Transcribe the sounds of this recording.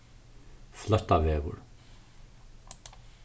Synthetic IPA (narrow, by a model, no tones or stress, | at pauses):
flœt̪avɛːvʊ̰ɹ